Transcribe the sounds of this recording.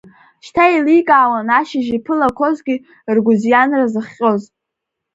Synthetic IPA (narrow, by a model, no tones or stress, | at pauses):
ʃtʰailikʼaːwanaʃɪʒipʰɨlakʷʰo̞zɡʲi | rɡʷʊzjanrazɨχʲqʲʼo̞z